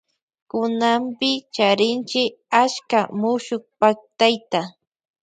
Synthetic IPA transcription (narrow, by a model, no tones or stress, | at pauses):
kʊnampɪt͡ʃaɾɪnt͡ʃɪ | aʃkamʊʃʊk̚pak̚t̪ajt̪a